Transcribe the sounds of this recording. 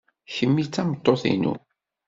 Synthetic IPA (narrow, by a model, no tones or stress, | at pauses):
çəmːit͡sːæmət̪ˤːoθḭnṵ